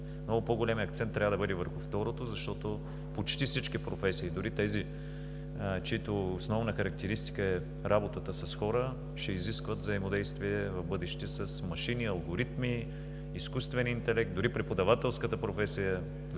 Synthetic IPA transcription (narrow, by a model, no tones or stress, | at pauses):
mnɔɡʊpoɡolʲɛmiɐkt̪sɛnt̪ːɾʲavəd̪əbɤd̪ɛvəɾxʊft̪ɔɾot̪ozɐʃt̪ɔt̪o | pot͡ʃt̪ifsit͡ʃkipɾofɛsiːd̪ʊɾit̪ɛzi | t͡ʃiit̪oːsnɔvnəxɐɾɐk̚t̪ɛɾist̪i̥kəɛ | ɾʔabot̪ət̪əsɐsxɔɾə | ʃɛiziskvət̪vzɐimod̪ɛjst̪viɛvɐvbɤd̪ɛʃt̪ɛsəsmɐʃiniɐlˠɡoɾit̪miː | skust̪vɛnint̪ɛlɛk̚t̪̚d̪ʊɾipɾɛpod̪ɐvat̪ɛlˠskət̪əpɾofɛsijə